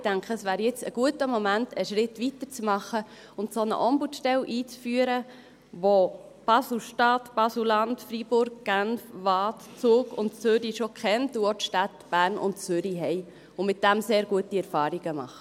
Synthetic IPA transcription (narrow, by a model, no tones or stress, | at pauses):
ɪd̥æŋkʰəəsʋæːɾjɪt͡səɡ̥uətəmɔmæntʰəʃɾɪtʋitəɾt͡smɑχə | ʊntsonə̰ʔɔmbutʃtɛlʔiːt͡sfyːəɾə | ʋo | b̥ɑsl̩ʃtɑːtb̥ɑsulɑntfɾibʊɾɡ̚ɡ̥ænfʋɑːtt͡sʊːɡʊ̰ntt͡søɾiʃokχɛntuot̪ʃtɑtb̥æːɾnʔʊ̰nt͡sʏɾiɦɛɪ | ʊmɪt̚d̥æmseːɾɡ̥uətiɛɾfɑːɾiɡ̥əmɑ̰χə